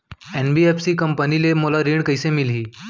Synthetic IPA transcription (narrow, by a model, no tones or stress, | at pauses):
enbiefsikəmpənilemolaɾiːɳkəjsemilɦiː